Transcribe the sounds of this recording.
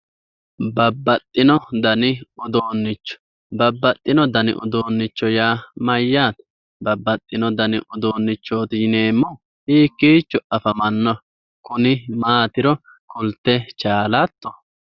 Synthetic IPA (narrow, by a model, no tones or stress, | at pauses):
bɐbːɐt̪ʼːɪnɔd̪ɐnɪʊd̪oːnːɪt͡ʃːɔ̥ | bɐbːɐt̪ʼːɪnɔd̪ɐnɪ̰ʔʊ̰d̪oːnːɪt͡ʃːɔjaːmɐjːaːt̪ | bɐbːɐt̪ʼːɪnɔd̪ɐnɪʔʊd̪oːnːɪt͡ʃːoːt̪ɪjne̞ːmːɔ | hiːkːiːt͡ʃːɔʔɐfɐmɐnːɔ | kʊnɪmaːt̪ɪɾɔ | kʊlt̪ːɛt͡ʃaːlɐt̪ːɔ